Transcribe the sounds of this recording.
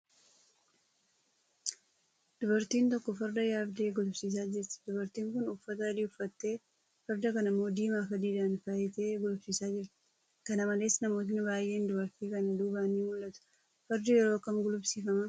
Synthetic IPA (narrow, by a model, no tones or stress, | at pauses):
d̪̥ʊbɐɾt̪iːnt̪ɔkːɔfɐɾd̪ɐjaːbd̪e̞ːɡʊlʊfsiːs̬aːd͡ʒɪɾt̪ɪ̥d̪̥ʊbɐɾt̪iːŋkʊnʊfːɐt̪ɐɐd̪iːʊfːɐt̪ːe̞ː | fɐɾd̪ɐkɐnɪmːo̞ːd̪iːmaːfɐd̪iːd̪aːnfajɛt̪e̞ːɡʊlʊbsiːsaːd͡ʒɪɾt̪ɪ̥ | kɐnɐmɐle̞ːsnɐmo̞ːt̪̬ɪnbaːjːe̞ːnd̪ʊbɐɾt̪iːkɐnd̪uːbaːniːmʊlːɐt̪ʊ̥ | fɐɾd̪ʊjɛɾo̞ːkɐmɡʊlʊbsiːfɐmɐ